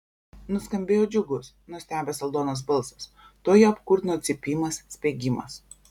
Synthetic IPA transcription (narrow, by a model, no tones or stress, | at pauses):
nʊskɐmʲbʲeːjoːd͡ʒʲʊɡʊs | nʊsʲt̪ʲæːbʲɛsɐlˠd̪oːnɐs̬bɐlˠˑsɐs | t̪oːjɛɐpkʊɾt̪ʲnoːt̪sʲɪpʲiːmɐsːʲpʲeːɡʲɪmɐ̰s